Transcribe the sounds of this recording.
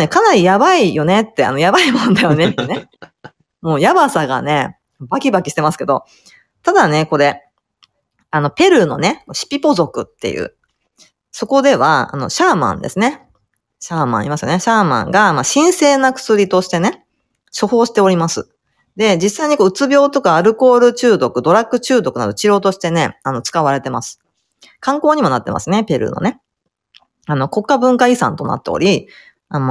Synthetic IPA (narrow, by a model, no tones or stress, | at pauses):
nekanaɾʲijabaijo̞ne̞t̪ːe̞a̰no̞jabaimõ̞nd̪ajo̞ne̞t̪ːene̞ | mo̞ːjabasaɡa̰ne̞ | bakʲibakʲi̥ɕi̥t̪e̞masɨ̥ke̞d̪o̞̰ | t̪ad̪ane̞ko̞ɾe̞ | ano̞pe̞ɾɯ̟no̞̰ne̞moɕi̥pʲipo̞zo̞kɯ̟t̪ːe̞̰jɯ̟̰ː | so̞ko̞d̪e̞βa̰a̰no̞̰ɕaːmã̰nd̪esɨne̞ | ɕaːmã̰ɰ̃imasɨjoneɕaːmã̰ŋɡamaɕĩɰ̃se̞ːnakɯ̟̥sɨɾʲit̪o̞ɕi̥t̪e̞ne̞ | ɕoho̞ːɕi̥t̪e̞o̞ɾʲimasɨ | d̪e̞d͡ʑisːaiɲ̟iko̞ɯ̟t͡sɨbʲo̞ːt̪o̞kaːɾɯ̟ko̞ːɾɯ̟t͡ɕɨːd̪o̞kɯ̟d̪o̞ɾakːɯ̟t͡ɕɨːd̪o̞kɯ̟nad̪o̞t͡ɕiɾo̞ːt̪o̞ɕi̥t̪e̞ne̞ano̞t͡sɨ̥kaβaɾe̞t̪e̞masɨ̥ | kãŋko̞ːɲ̟imo̞nat̪ːe̞mʔa̰sɨne̞pʲe̞ɾɯ̰no̰ne̞ | ano̞ko̞kːabɯ̟̃ŋkaisã̰nt̪o̞na̰t̪ːe̞o̰ɾʲi | am